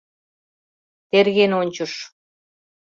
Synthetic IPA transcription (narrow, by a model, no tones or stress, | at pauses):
t̪erɣenonʲt͡ɕə̆ʃ